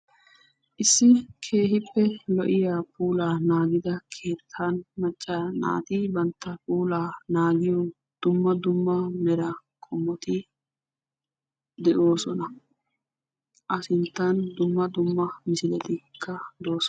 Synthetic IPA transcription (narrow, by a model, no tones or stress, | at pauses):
ʔɪsːɪkʰe̞ːɦɪpːɛlɔʔɪjaːpʰʼuːlaːnaːɡɪd̪ɐkʰe̞ːt̪ʰːaːnmɐt͡ʃʼːɐna̰ːt̪ɪbɐnt̪ːɐpuːlaːnaːɡɪjɔ | d̪̥ʊmːɐd̪ʊmːɐmɛɾɐ | kʰʼɔmːɔt̪ɪ | d̪ɛʔo̞ːsɔnɐ | ʔɐsɪnt̪ːɐnd̪ʊmːɐd̪ʊmːɐmɪsɪlɛt̪ɪkʰːɐd̪o̞ːsɔ